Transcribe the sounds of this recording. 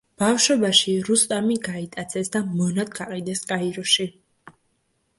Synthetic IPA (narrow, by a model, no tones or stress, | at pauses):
b̥afʃɔbaʃiɾust̪ʼamiɡait̪ʼat̪sʰɛsd̪amɔnat̪ɡaqʼid̪ɛskʼaiɾɔʃi